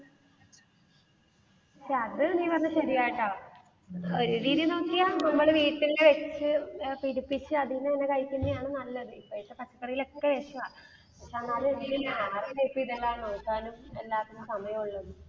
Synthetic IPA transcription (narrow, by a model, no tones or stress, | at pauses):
ɕʂeɐðɨniːpɐrɐnːɐɕɐɾijaːjiʈːaː | o̞ɾuɾiːðijno̞ːkːijaːnɐmːɐɭʋiːʈːilileʋet͡ɕːɨpiɾupːit͡ɕːɨɐðinːɐenːekɐjkʲːinːejaːɳɨnɐlːɐðɨipːoːit̪ːepɐt͡ɕːɐ̥kːɐɽijilo̞kːeʋeːʂɐʋaː | pɐkʂeɐŋːaːɾeɾiðinjaːreneːpːiiðelːaːnoːkːaːnume̞lːaːt̪ːuumsɐmɐjɐmuɭːɐnːɨ